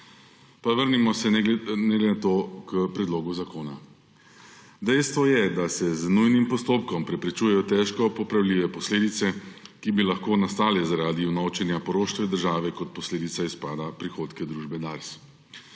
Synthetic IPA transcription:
paʋəɾnimɔsɛnɛɡlɛnat̪oːkəpɾɛd̪loːɡuzakoːna | d̪ɛjst̪ʋɔjɛd̪asɛznujnimpɔst̪oːpkɔmpɾɛpɾɛt͡ʃuːjɛjɔt̪ɛʃkɔpɔpɾawliːʋɛpɔsleːd̪it̪sɛkibilaxkoːnast̪aːlɛzaɾaːd̪iwnot͡ʃɛnjapɔɾoːʃt̪ʋɛd̪əɾʒaːʋɛkɔt̪̚pɔsleːd̪it̪saispaːd̪apɾixoːt̪kɛd̪ɾuːʒbɛd̪aɾs

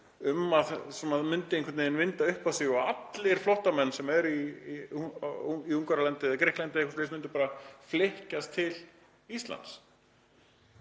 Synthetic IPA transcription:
ʏmaðsɔmaðmʏnt̪ɪẽŋkvɾt̪nɪɪnvɪnt̪aʏhpasiɔat̪lɪɾ̥flɔht̪amɛnːsɛmɛɾi | iuŋkaɾalɛnt̪ɪɛðakɾɪhklɛnt̪ɪehkʏ̥ɾslesmʏnt̪ʏɾpaːɾaflehcast̪ʰɪl | ist̪la̰nt̪s

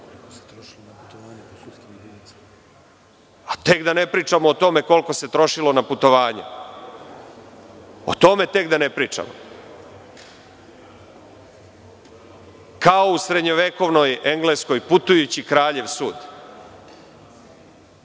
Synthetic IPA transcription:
at̪e̞kd̪ane̞pɾiːt͡ʃamoːt̪o̞me̞ko̞lko̞se̞t̪ɾo̞ʃilˠo̞naput̪o̞ʋaːɲe | o̰t̪o̞me̞t̪e̞kd̪anepɾiːt͡ʂa̰mo̰ | kaousɾe̞d̪ɲo̞ʋeko̞ʋnojeŋɡlesko̞jput̪ujut͡ɕikɾaːʎe̞ʋsuːd̪

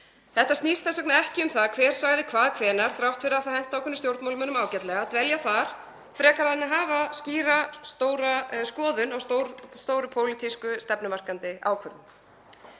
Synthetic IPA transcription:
θɛht̪asniːst̪θɛnsɔk̚naɛhcɪʏmθaðkʰvɛːɾ̥saɣðɪkʰvaːðkʰvɛːnaɾ̥θɾawht̪fɪɾaθahɛjn̥t̪awkʰʏnːʏst̪jowɾt̪mawlʏmœnʏmaːwcɛt̪lɛɣat̪vɛljaθaɾ̥ | fɾɛːkaɾanːɪɦaːvasciːɾast̪oːwɾaskɔːðʏnawst̪owst̪oːwɾʏpʰoːwlɪt̪ʰiskʏst̪ɛpnʏmar̥kant̪ɪa̰ːwkʰvœɾðʏm

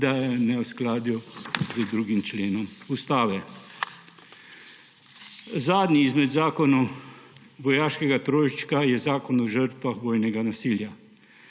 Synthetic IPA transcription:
d̪ajɛnɛwsklaːd̪juzəd̪ɾuːɡimt͡ʃleːnɔmust̪aːʋɛ | zaːd̪niːzmɛd̪zaːkɔnu | ʋɔjaːʃkɛɡat̪ɾoːjit͡ʃkajɛzaːkɔnɔʒəɾt̪ʋaxʋoːjnɛɡanasiːlja

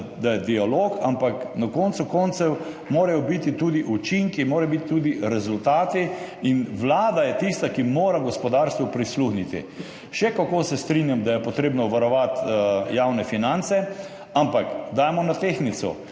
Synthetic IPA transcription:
d̪ajɛd̪ialoːkʰampaknakɔnt̪sukɔnt̪sɛw | moːɾajɔbit̪it̪uːd̪iʔut͡ʃiŋkimoːɾɛjbit̪t̪uːd̪iɾɛzʊlt̪aːt̪iinʋlaːd̪ajɛt̪ist̪akimoːɾaɡɔspɔd̪aɾst̪ʋɔpɾisluxnit̪ḭ | ʃɛkakoːsɛst̪ɾinjamd̪ajɛpɔt̪ɾeːbnɔʋaɾɔʋat̪jawnɛfinant̪sɛ | ampakd̪ajmɔnat̪eːxnit̪sɔ̰

